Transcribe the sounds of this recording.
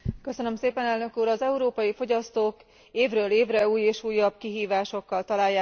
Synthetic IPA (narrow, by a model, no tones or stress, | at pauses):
kø̞sø̞nø̞mseːpɛnɛlnø̞kuːɾɒzɛuɾoːpɒjifo̞ɟɒst̪oːk | eːvrøːleːvrɛuːjeːʃuːjːɒb̚kiɦiːvaːʃo̞kːɒlt̪ɒlaːjːaː